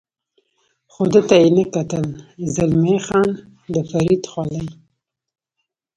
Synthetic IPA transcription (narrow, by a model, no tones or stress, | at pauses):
xod̪ət̪ajenəkat̪əlzɪlmexɑn | d̪əfaɾid̪xwɑləj